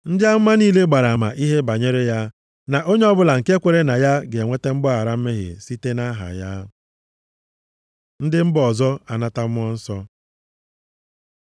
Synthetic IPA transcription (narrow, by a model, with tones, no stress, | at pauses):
n̩˦dɪ˦a˦m̩˦ma˦niː˦le˦ɡ͡ba˨ɾa˨a˨ma˨ʔi˦ɦe˦ba˨ɲe˦ɾe˦ja˦ | na˨ʔo˦ɲe˦ɔ˦bʊ˦la˨ŋ̩˨ke˦kʷe˨ɾe˦na˨ja˦ɡe˨ŋʷe˦te˦m̩˦bɔ˦a˨ɾa˦m̩˦me˦ɦɪ̰˨si˦te˦na˦ɦa̰˨ja˦ | n̩˦dɪ˦m̩˦bɔ˨zɔ˦a˨na˦ta˦m̩˦ɔ˦n̩˦sɔ˦